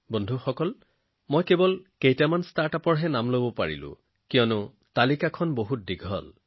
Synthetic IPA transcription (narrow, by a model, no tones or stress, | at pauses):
bɔndʱuxɔkɔl | mojkebɔlkejtamanstaɹtapɔɹɦɛnamlobɔpa̰ɹḭlʊ̰̃ | kijɔnʊ | talikakʰɔnboɦut̚diɡʱɔ̰l